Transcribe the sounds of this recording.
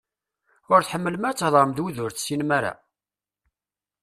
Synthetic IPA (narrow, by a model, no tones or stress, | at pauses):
ʊɾθħəmːələmæt͡sːəhðˤəɾmðwuðʊɾθsinmaɾa̰